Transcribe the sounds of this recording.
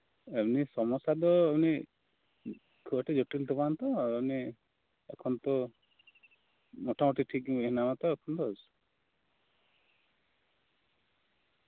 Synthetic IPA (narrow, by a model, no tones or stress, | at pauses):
enisɔmɔsad̪ɔni | kʰuɔʈed͡ʒoʈilt̪ʰipant̪ɔeni | ekʰɔnt̪ɔ | moʈʰamoʈʰiʈʰikeɦnamat̪ɔekʰɔnt̪ɔɔsu̥